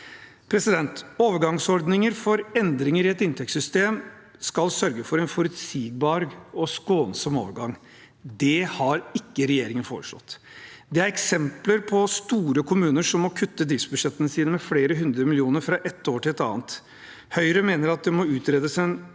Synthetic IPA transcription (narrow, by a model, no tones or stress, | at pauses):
pʰɾɛsɪd̪ɛnt̪oːʋəɾɡɑŋsɔɾd̪nɪŋəɾfɔɾɛnd̪ɾɪŋəɾɪɛt̪ɪnt̪ʰɛksʏst̪eːm | skɑlsœɾɡəfɔɾɛnfɔɾʉt̪siːɡ̚bɑːɾɔskoːnsɔmo̰ːʋəɾɡɑŋ | d̪ɛhɑɾɪkːəɾɛjeːɾɪŋənfoːɾəʂlɔ̰t̪ː | d̪ɛæɾɛksɛmpləɾpʰɔst̪uːɾəkʰʊmʉːnəʂɔmːɔkʰʉt̪ːəd̪ɾiːʋsbʉʂɛt̪ːənəsiːnəmɛfleːɾəɦʉnd̪ɾəmɪlɪuːnəɾfɾɑʔɛt̪ːoːʈʰɪlɛt̪ɑ̰ːnt̪ | hœʏɾəmeːnəɾɑt̪̚d̪ɛmɔʉːt̪ɾeːd̪əsɛn